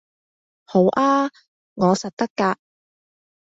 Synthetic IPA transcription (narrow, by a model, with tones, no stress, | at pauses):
ho˨˥wʔaː˥ | ŋɔː˨˧sɐ˨t̚t̪ɐ˥kːaː˧ʔ̚